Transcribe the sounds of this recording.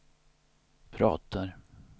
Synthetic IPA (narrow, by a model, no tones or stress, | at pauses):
pʰɾɑ̰ːt̪ʰaɾ